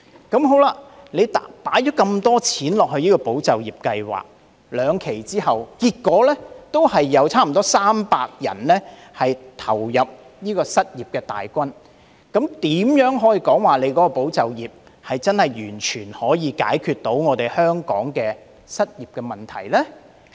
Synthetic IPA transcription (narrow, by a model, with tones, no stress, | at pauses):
kɐ˨˥mɦo˨˥wlaː˧le˨˧jt̪ːpaː˨˥jt͡ʃɔː˨˥kɐ˧mt̪ɔː˥t͡sʰiː˨˥nlɔː˨k̚hɵ˧ɥniː˥kɔː˧po˨˥wt͡sɐ˨wjiː˨˩p̚kɐ˧jwa̰ː˨k̚ | lœː˨˧ŋkʰe˨˩jt͡siː˥ɦɐ˨wkiː˧t̚kːɔː˨˥lɛː˥t̪o˥whɐ˨jːɐ˨˧wt͡sʰaː˥m̩˨˩t̪ɔː˥saː˥mpaː˧k̚jɐ̰˨˩nlɛ˥ | hɐ˨jt̪ʰɐ˨˩wjɐ˨p̚ | niː˥kɔː˧sɐ˥t̚jiː˨p̚kɛː˧t̪a̰ː˨jkʷɐ˥n | kɐ˨˥mt̪iː˨˥mjœː˨˥ŋɦɔː˨˥jiː˧kɔː˨˥ŋwaː˨le˨˧jkɔː˨˥kɔː˧po˨˥wt͡sɐ˨wjiː˨p̚ | hɐ˨jt͡sɐ˥nhɐ˨jjyː˨˩nt͡ʃʰyː˨˩nhɔː˨˥jiː˨˧ka̰ː˨˥jkʰyː˨t̪̚ːo˨˥wŋɔː˨˧t̪e˨˩jhœː˥ŋkɔ̰ː˨˥ŋkɛː˧ | sɐ˥t̚jiː˨p̚kɛː˧mɐ˨nt̪ʰɐ˨˩jlɛː˥